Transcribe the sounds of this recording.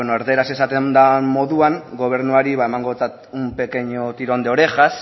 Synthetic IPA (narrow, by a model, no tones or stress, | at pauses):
enoeɾðe̞ɾase̞sat̪e̞nd̪amo̞ðuaŋɡo̞β̞e̞ɾnuaɾiβaemaŋɡo̞t͡sat̪umpe̞keɲot̪iɾond̪eo̞ɾe̞ʝas